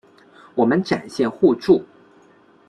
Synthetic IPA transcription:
wɔ˨˩mə˦nʈ͡ʂa˨˩nɕjɛ˥˧nxu˥˧ʈ͡ʂu˥˩

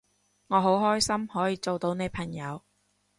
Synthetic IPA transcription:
ŋɔː˨˧ɦo˨˥wɦɔː˥jsɐ˥mhɔː˨˥jiː˨˧t͡so˨wt̪o˨˧wne˨˧jpʰɐ˨˩ŋjɐ˨˧w

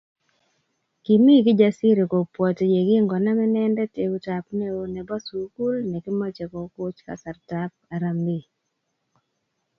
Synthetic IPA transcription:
ki˨mi˦ɡɪ˦d͡ʒa˦si˦ɾe˨ko˨pwɔ˨tje˨ɡɪ˦ŋɡɔ˨na˦mɛ˦nɛ˦ndɛ˦te˨ɡu˦ta˨pnɛ˦o˦nɛ˨ba˦su˨ku˦lnɛ˨kɪ˦mɔ˦t͡ʃe˨kɔ˨ko˦t͡ʃka̰˨sa˨rta˦p̚a˨ɾa˨mbi˨

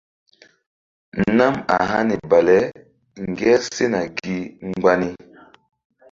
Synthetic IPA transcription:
na˦ma̰˨ɦa˦ni˨ba˨lɛ˦ | ŋ˨ɡɛ˦se˦na˨ɡi˦ŋ˦ɡ͡ba˦ni˦

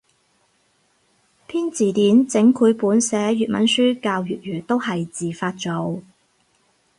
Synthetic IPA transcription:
t̪ʰiː˥nt͡siː˨t̪iː˨˥nt͡sɪ˨˥ŋkʰuː˨˥jpuː˨˥nsɛː˨˥jyː˨t̚mɐ̰˨˥nsyː˥kaː˧wjyː˨t̚jyː˨˩t̪o˥whɐ˨jt͡siː˨˩faː˧t̚t͡ʃo˨˧˥w

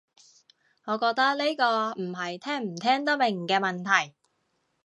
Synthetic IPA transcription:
ŋɔː˨˧kɔː˧k̚t̪ɐ˥k̚le˥jkɔː˧m̩˨˩ɦɐ˨jt̪ʰɛː˥ŋm̩˨˩t̪ʰɛː˥ŋt̪ɐ˥me˨˩ŋ̩ː˨˩kɛː˧mɐ˨nt̪ʰɐ˨˩j

